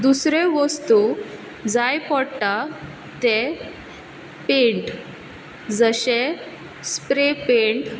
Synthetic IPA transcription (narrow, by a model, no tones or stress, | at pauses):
d̪usɾeʋəst̪u | d͡zajpɔɽʈa | t̪e | peɳʈ | d͡zəɕe | spɾepeɳʈ